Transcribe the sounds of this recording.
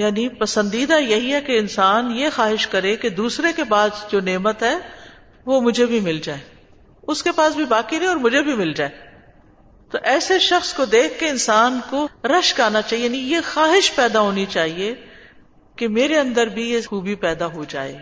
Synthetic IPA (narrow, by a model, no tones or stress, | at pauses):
jaːnipɐsə̃nd̪iːd̪ajɐɦiɦɛkeɪnsaːnjexaːɦɪʃkɐɾeked̪uːsɾekebaːd̪d͡ʒoːneːmət̪ɦɛː | ʋomʊd͡ʒʱebʱimɪld͡ʒaːeː | ʊskepaːsbʱibaːkinẽɔːɾmʊd͡ʒʱebʱimɪld͡ʒaːeː | t̪oʔɛːseʃɐxskod̪eːkʰːeɪnsaːnkoɾɐʃkaːnat͡ʃaːɦijanijexaːɦɪʃpɛːd̪aɦoːnit͡ʃaːɦie | kemeːɾeɐ̃nd̪əɾbʱiexuːbipɛːd̪aɦod͡ʒaːḛː